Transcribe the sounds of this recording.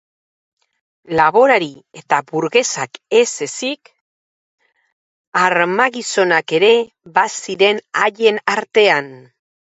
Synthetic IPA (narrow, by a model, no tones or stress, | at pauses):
laβo̞ɾaɾie̞t̪abuɾɣe̞sake̞se̞sik | aɾmaɣiso̞nake̞ɾe̞ | βasiɾe̞naʎe̞naɾt̪e̞an